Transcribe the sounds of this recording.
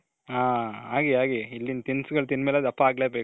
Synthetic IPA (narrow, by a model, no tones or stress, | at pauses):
aːaːɡiaːɡiilːint̪insɡɐɭt̪inmeːleːd̪ɐpːɐaːɡleːbeː